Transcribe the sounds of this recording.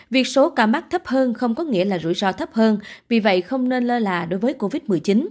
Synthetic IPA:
vi˨˩ək̚so˨˦kaː˧˩ma˦˥k̚t̪ʰə˦˥p̚həː˧nxə˧wŋ͡mkɔ˨˦ŋḭ˧˥əlaː˨˩zṵ˧˩jzɔ˧t̪ʰə˦˥p̚həː˧nvi˨˩və̰˧˨jxə˧wŋ͡mne˧nləː˧laː˨˩ɗo˨˦jvəː˨˦jko˧vi˦˥t̚mɨ˨˩əjt͡ɕi˨˦n

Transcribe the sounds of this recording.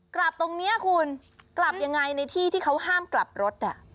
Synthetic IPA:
kla˨˩p̚t̪o˧ŋni˦˥ɐkʰu˧n | kla˨˩p̚ja˧ŋːa˧jna˧jt̪ʰiː˥˩t̪ʰiː˥˩kʰa˦˥whaː˥˩ŋkla˨˩p̚ɾo˦˥t̪̚ʔa˨˩

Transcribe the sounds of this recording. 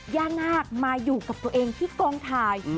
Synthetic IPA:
jaː˥˩naː˥˩k̚maː˧juː˨˩ka˨˩p̚t̪u˧əʔeː˧ŋt̪ʰiː˥˩kɔː˧ŋt̪ʰaː˧j

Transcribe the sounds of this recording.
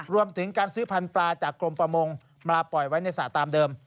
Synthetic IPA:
ɾu˧əmt̪ʰɯ˩˦ŋkaː˧nsɯː˦˥pʰa˧nplaː˧t͡ɕaː˨˩kːlo˧mpɾa˧mo˧ŋ | mlaː˧pɔ˨˩jwa˦˥jna˧jsaː˨˩t̪aː˧mdɤː˧m

